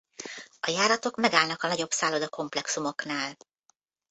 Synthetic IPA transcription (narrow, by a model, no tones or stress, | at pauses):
ɒjaːɾɒt̪o̞kmɛɡaːlnɒkɒnɒɟo̞bsaːlo̞d̪ɒko̞mplɛksumo̞knaːl